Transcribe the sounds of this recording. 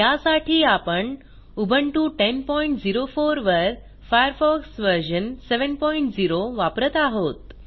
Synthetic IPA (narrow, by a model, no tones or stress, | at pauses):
jasaʈʰiːapəɳ | ubʱəɳʈũːʈenpɔiɳʈd͡ziɾofoɾʋəɾ | fajəɾfɔksʋəɾʑənseʋənpɔiɳʈd͡ziɾoʋapɾət̪aɦot̪̚